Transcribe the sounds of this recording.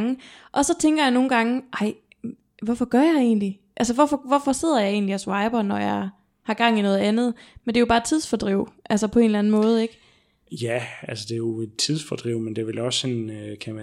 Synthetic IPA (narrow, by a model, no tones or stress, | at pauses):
ŋəʔɒ̽sɒ̽t͡sʰeŋɡ̥ɐjɑ̈ɪno̝ːn̩ɡ̥ɑ̈ŋəʔɑ̈ɪ̰ | ʋɒfɒ̽ɡ̥ɶɐjɑ̈ɪe̝̰ːnli | ʔælsəʋɒfɒ̽ʋɒfɒ̽se̝ð̞̰ˠɐjɑ̈ɪe̝̰ːnliæsʋɑ̈ɪb̥ɐnɒjɑ̈ɪ | hɑ̈ɡ̥ɑ̈ŋ̰inɔ̽ːð̞̩ˠænð̞̩ˠmend̥e̝jo̝bɑ̥ːt͡sʰið̞ˠsfɒd̥ʁiʊ̰ʔælsəpʰɒ̽e̝ːnlæn̩mɔ̽ːð̞̩ˠeɡ̥ | jæælsəd̥e̝jo̝t͡sʰiðˠsfɒd̥ʁiʊmend̥e̝ʋelɒ̽sːɒnkʰææ